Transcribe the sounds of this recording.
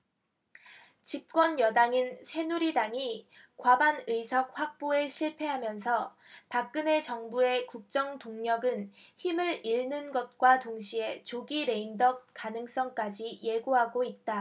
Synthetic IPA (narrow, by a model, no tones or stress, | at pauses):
t͡ɕip̚k͈wʌnjʌdaŋinsʰe̞nuɾidaŋi | kwabanɯisʰʌk̚hɸak̚p͈oeɕʰiɭpʰe̞ɦamjʌnsʰʌ | pak̚k͈ɯne̞t͡ɕʌŋbue̞kuk̚t͡ɕ͈ʌŋtoŋɲʌɡɯnçimɯɾiɭnɯnɡʌt̚k͈watoŋɕʰie̞t͡ɕoɡiɾe̞imdʌk̚k͈anɯŋs͈ʌŋk͈ad͡ʑije̞ɡuɦaɡoit̚t͈a